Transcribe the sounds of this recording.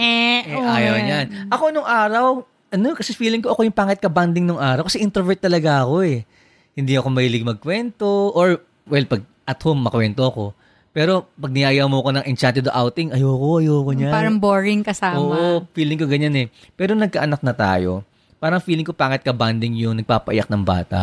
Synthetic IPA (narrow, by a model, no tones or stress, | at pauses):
ɛʔajaɲanʔɐko̞noŋʔaːɾɐw | ʔɐno̞kɐsɛfiːlɪŋkoʔɐko̞jʊŋpaːŋɪt̪̚kɐband̪ɪŋnoŋʔaːɾɐwkɐsɛʔɪnt̪ɛvɛt̪ːɐlɐɡaʔɐko̞ɛ | hɪnd̪iʔɐko̞mɐhilɪɡ̚mɐɡ̚kwɛnt̪o̞ʔoɹ | wɛlpɐɡ̚ʔɐt̪homːɐkwɛnt̪o̞ɐko̞̰ | pɛːɾo̞pɐɡ̚nɪʔaːjamoɐko̞nɐŋʔɛnt͡ʃant̪ɛd̪oʔawt̪ɪŋʔɐjoːko̞ʔɐjoːkoɲapaːɾɐŋboɹɪŋkɐsaːoːʔofiːlɪŋkoɡɐɲanɛpɛːɾonɐɡ̚kɐʔɐnɐk̚nɐt̪a̰ːjo̞̰ | paːɾɐŋfiːlɪŋko̞paːŋɪt̪̚kɐband̪ɪŋjʊŋnɐɡ̚paːpɐʔɪ̰jɐk̚nɐŋba̰ːt̪ɐ̰